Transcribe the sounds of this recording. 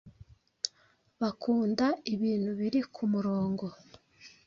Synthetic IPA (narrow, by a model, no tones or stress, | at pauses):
βakʰuːndaiβiːn̥huβiɾikʰumuɾo̞ːŋɡo̞